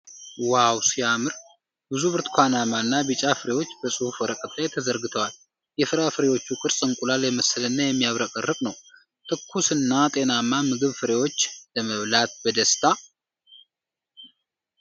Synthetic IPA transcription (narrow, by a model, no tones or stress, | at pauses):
wawsijamɨɾ | bɨzuβɨɾt̪kʰʷanamanːabɨt͡ʃʼafɨɾe̞wo̞t͡ʃːbəsʼuhufɔɾəkʼət̪ʰːajt̪ʰəzəɾɡɨt̪ʰəwal | jɛfɨɾafɨɾewo̞t͡ʃːukʼɨɾsʼɨŋkʼulaljɛməsɨlɨnːajɛmːijaβɾəkʼərːɨkʼnəw | t̪ʰɨkʰːusɨnːat̪ʼe̞namːamɨɡɨβfɨɾe̞wo̞t͡ʃːləməβlat̪̚bəd̪əst̪ʰa